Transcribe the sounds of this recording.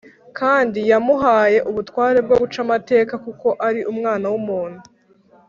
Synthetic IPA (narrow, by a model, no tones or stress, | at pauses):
kʰaːndijamuɦaːje̞ʔuβutwaːɾe̞b̚ɡo̞βut͡ʃamate̞ːkakuko̞ʔaɾiʔumŋaːnawumuːn̥hu